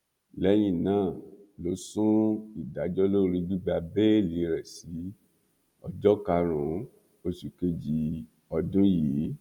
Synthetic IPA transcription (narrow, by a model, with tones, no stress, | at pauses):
lɛ˨˦j̃ĩ˦˨nãː˦˨lo˨˦sũ˦i˨da˨˦d͡ʒɔ˦lo˦˨˧ɾi˧ɡ͡bi˦ɡ͡ba˧be˦li˨˦ɾɛ˨si˨˦ | ɔ˦d͡ʒɔ˦ka˧ɾ̃ũ˨˦ | o˧ʃu˨ke˧d͡ʒi˨˧˦ | ɔ˧dõ˦jiː˨˦